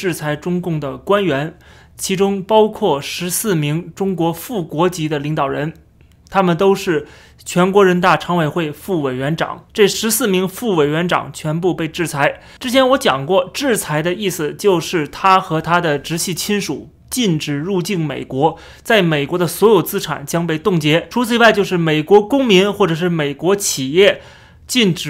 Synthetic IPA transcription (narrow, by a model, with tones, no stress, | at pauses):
ɻ̩˥˩t͡sʰa˧˥ɪʈ͡ʂʊ˥ŋkʊ˥˩ŋd̪ə˩kwa˥nɥɛ˧˥n | t͡ɕʰi˧˥ʈ͡ʂʊ˥ŋpɑ˥ʊkʰwɔ˥˩ʂɻ̩˧˥sɹ̩˥˩mi˧˥ŋʈ͡ʂʊ˥ŋkwɔ˧˥fu˥˩kwɔ˧˥t͡ɕi˧˥d̪ə˧li˧˥ŋt̪ɑ˨˩ʊɻə˧˥n | t̪ʰa˥mə˨nt̪o˥ʊʂɻ̩˥˩ | t͡ɕʰɥɛ˧˥nkwɔ˧˥ɻə˧˥nt̪a˥˩ʈ͡ʂʰɑ˧˥ŋwe˨˩ɪxwe˥˩˧ɪfu˥˩we˨˩ɪɥɛ˧˥nʈ͡ʂɑ̰˨˩˦ŋʈ͡ʂɤ˥˩ʂɻ̩˧˥sɹ̩˥˩mi˧˥ŋfu˥˩we˨˩ɪɥɛ˧˥nʈ͡ʂɑ̰˨˩ŋt͡ɕʰɥɛ˧˥np̬u˥˧pe˥˧ɪʈ͡ʂɻ̩˥˩t͡sʰa˧˥ɪ | ʈ͡ʂɻ̩˥t͡ɕʰjɛ˧˥nwɔ˧˥t͡ɕjɑ˨˩ŋkwɔ˥˩ʈ͡ʂɻ̩˥˩t͡sʰa˧˥ɪd̪ə˧i˥˩sɹ̩˩t͡ɕjo˥˧ʊʂɻ̩˥˩t̪ʰa˥xɤ˧˥t̪ʰa˥d̪ə˨ʈ͡ʂɻ̩˧˥ɕʰi˥˩t͡ɕʰi˥nʂṵ˨˩˦ | t͡ɕi˥˧nʈ͡ʂɻ̩˨˩ɻu˥˧t͡ɕi˥˩nme˨˩ɪkwɔ˧˥ | t͡sa˥˩ɪme˨˩ɪkwɔ˧˥d̪ə˧swɔ˧˥jo˨˩ʊt͡sɹ̩˥ʈ͡ʂʰa̰˨˩nt͡ɕjɑ˥ŋpe˥˧ɪt̪ʊ˥˩ŋt͡ɕjɛ˧˥ʈ͡ʂʰu˧˥t͡sʰɹ̩˧i˧˥wa˥˧ɪt͡ɕjo˥˧ʊʂ̬ɻ̩˥˩me˨˩ɪkwɔ˧˥kʊ˥ŋmi˧˥nxwɔ˥˩ʈ͡ʂɤ˨˩ʂɻ̩˥˩me˨˩ɪkwɔ˧˥t͡ɕʰi˨˩jɛ˥˩ | t͡ɕi˥˩nʈ͡ʂɻ̩˨˩